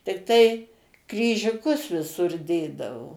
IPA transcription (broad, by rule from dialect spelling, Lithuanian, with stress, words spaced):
tʲɪkˈtɐɪ krʲiːʒʲʊˈkʊs ʋʲɪˈsʊr ˈdʲeːdɐʋoː